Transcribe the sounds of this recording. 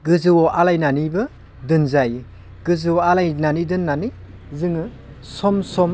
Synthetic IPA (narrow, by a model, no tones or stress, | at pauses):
ɡɯzɯwoʔalajnanibɯ | dɯnzaj | ɡɯzɯwoalajnanidɯnːani | zɯŋɯ | sɔmsɔm